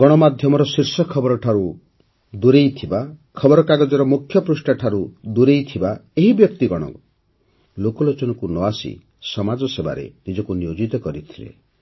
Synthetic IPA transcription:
ɡɔɽ̃ɔmad̪ʱjɔmɔɾɔsiɾsɔkʰɔbɔɾɔʈʰaɾu | d̪uɾejt̪ʰibakʰɔbɔɾɔkaɡɔd͡ʒɔɾɔmukʰjɔpɾusʈaʈʰaɾud̪uɾejt̪ʰibaeɦibjɔk̚t̪iɡɔɽ̃ɔ̰ku | lokɔlot͡ʃɔnɔkunɔasḭ | sɔmad͡ʒɔseba̰ɾḛnid͡ʒɔkunijod͡ʒit̪ɔkɔɾit̪ʰilḛ

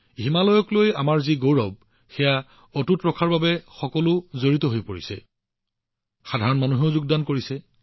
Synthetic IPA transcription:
ɦimalɔjɔkloja̰maɹziɡowɹɔb̚ | xɛja | otutɹɔkʰaɹbabɛxɔkɔlʊzoɹitɔɦojpoɹisɛ̰ | xadʱaɹɔnmanuɦeʊzuɡ̚dankoɹisɛ

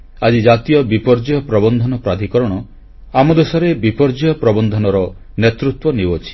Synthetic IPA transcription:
ad͡ʒid͡ʒat̪ijɔbipɔɾd͡ʒjɔpɾɔbɔnd̪ʱɔnɔpɾad̪ʱikɔɾɔɽ̃ɔ | amɔd̪esɔɾebipɔɾd͡ʒɔjɔpɾɔbɔnd̪ʱɔnɔɾɔ | net̪ɾut̪wɔniwɔt͡ʃʰi̥

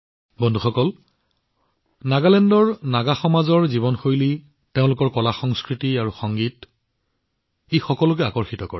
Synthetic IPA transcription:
bɔndʱuxɔkɔl | naɡalɛndɔɹnaɡaxɔmazɔɹziβɔnxojli | teʊ̃lʊkɔɹkɔlaxɔŋskɹitiaɹuxɔŋɡit | ixɔkɔlʊk̬ɛakɔɹxitɔkɔɹɛ

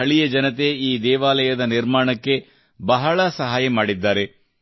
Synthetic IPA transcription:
ɐɭijɐd͡ʒɐnɐt̪e̞iːd̪ɛːʋaːlɐjɐd̪ɐniɾmaːɳɐkːe̞ | bɐɦɐɭɐsɐɦaːjɐmaːɽid̪ːaːɾe̞

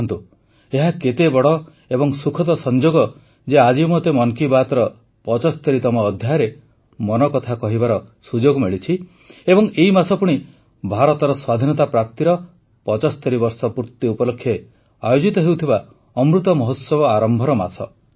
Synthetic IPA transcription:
nt̪u | eɦaket̪ebɔɽɔ | ebɔŋsukʰɔt̪ɔsɔnd͡ʒoɡɔ | d͡ʒead͡ʒimot̪emɔnkibat̪ɔɾɔ | pɔt͡ʃɔst̪eɾit̪ɔmɔːd̪ʱjajɾe | mɔnɔkɔt̪ʰakɔɦibaɾɔsud͡ʒoɡmeɭit͡ʃʰi | ebɔŋeimasɔpuɽ̃i | bʱaɾɔt̪ɔɾɔswad̪ʱinɔt̪apɾap̚t̪iɾɔ | pɔt͡ʃɔst̪eɾibɔɾsɔpuɾt̪ːiupɔlokʰːjɔ | ajod͡ʒit̪ɔɦewt̪ʰiba | ɔmɾut̪ɔmɔɦot̪sɔbɔaɾɔmbʱɔɾɔma̰sɔ

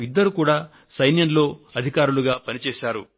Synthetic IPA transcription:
id̪ːɐɾukuːɽaː | sɐjnjɐnlo̞ːɐd̪ʱikaːɾuluɡaːpɐnit͡ʃeːʃaːɾṵ

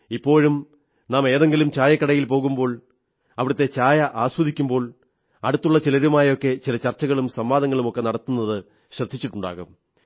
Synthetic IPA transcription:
ipːo̞ːɻum | naːme̞ːðe̞ŋɡilumt͡ɕaːjɐkːɐɽɐjilpo̞ːɣumbo̞ːɭ | ɐʋiɽɐt̪ːe̞t͡ɕaːjɐʔaːswɐd̪ikʲːumbo̞ːɭ | ɐɽut̪ːuɭːɐt͡ɕilɐɾumaːjɐo̞kːe̞t͡ɕilɐt͡ɕɐrt͡ɕːɐɣɐɭumsɐmʋaːd̪ɐŋːɐɭumo̞kːe̞nɐɽɐt̪ːunːɐðɨ | ɕrɐd̪ʱit͡ɕːiʈːuɳɖa̰ːɣum

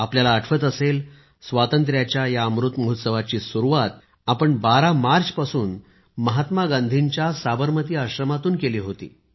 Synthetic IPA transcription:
apljalaəʈʰʋət̪əsel | sʋat̪ənt̪̬ɾjat͡ɕjajaəmɾut̪məɦut̪səʋat͡ɕiːsuɾuʋat̪ | apəɳbaɾamaɾt͡spasuːn | məɦat̪maɡãnd̪ʱiɲt͡ɕjasabəɾmət̪iːaɕɾəmat̪uːnkeliːɦot̪ḭː

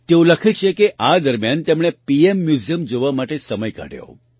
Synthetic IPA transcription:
t̪eũləkʰet͡ʃʰekeʔad̪əɾmjant̪emɽ̃epiemːjuzjəmd͡ʒoʋamaʈesəməjka̰ɽjo̰

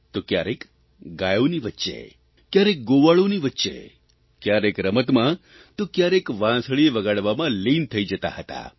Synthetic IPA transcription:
t̪okja̰ɾek | ɡajoniʋətːʃḛ | kjaɾek̚ɡoʋaɭoniʋətːʃḛ | kjaɾekɾəmət̪mã | t̪okjaɾekʋãsəɭieʋəɡaɽʋamãlint̪ʰəid͡ʒət̪a̰ɦət̪a̰

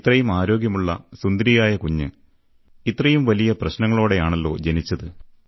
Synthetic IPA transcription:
t̪rɐjumaːɾo̞ːɡjɐmuɭːɐsund̪ɐɾijaːjɐkuɲːɨ | it̪ːrɐjumʋɐlijɐprɐɕnɐŋːɐɭoːɽe̞jaːɳelːo̞̰ːd͡ʑenit͡ɕːɐðɨ

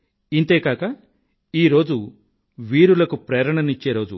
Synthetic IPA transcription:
int̪e̞ːkaːkɐ | iːɾo̞ːd͡ʒu | ʋiːɾulɐkupɾɛːɾɐɳɐnit͡ʃːe̞ːɾo̞ːd͡ʒu

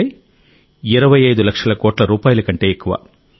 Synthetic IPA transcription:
j | iɾɐʋɐjɐjd̪ulɐkʂɐlɐkoːʈlɐɾuːpaːjɐlɐkɐɳʈe̞ːekːuʋa̰ː

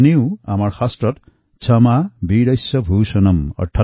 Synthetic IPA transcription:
niwamɔɹxasʈɔt̪ | t͡ʃʰʌmabiɽʌjsɔbʱuːsɔnɔmɔ̰ɾʈʰa

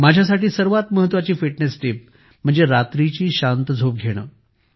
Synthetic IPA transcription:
mad͡ʑʱjasaʈiːsəɾʋat̪məɦət̪ːʋat͡ɕiːfiʈnesʈip̚ | m̤əɳd͡zeɾat̪ɾit͡ɕiːɕant̪əd͡zʱop̚ɡʱeɽ̃ə̰ː

